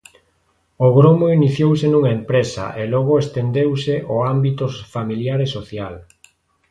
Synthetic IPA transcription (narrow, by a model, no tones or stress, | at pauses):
oɣɾomoiniθjowsenũŋaempɾesɐ̰ʔelɔɣ̞ʊest̪end̪ewseʔoambit̪ʊfamiljaɾesoθjal